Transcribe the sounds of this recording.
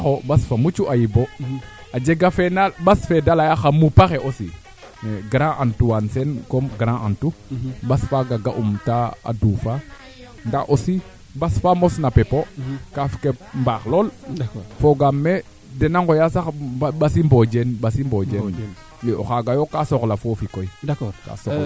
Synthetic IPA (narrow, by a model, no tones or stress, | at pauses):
xobasfamut͡ʃuʔajibo | ad͡ʒeɡafɛnalbasfɛdalajaxamupaxeʔosḭ | neɡɾãʔantuwansɛnkomɡɾãʔantubasfaɡaɡa̰ʔumtaa̰duːfa | ndaxʔosi | basfamosnapepokafi̥kembaxlolfoɡamːe | denaŋɡojasaɓasimbod͡ʒenɓasimbod͡ʒen | bɛo̰xaɡajokasoklafofikoidka̰so